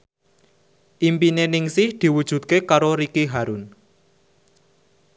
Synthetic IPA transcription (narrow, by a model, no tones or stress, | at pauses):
ʔimpinenɪŋsɪhd̪̥i̤wud̥ʒ̥ṳt̪̚kekaɾoɾikiɦaɾʊn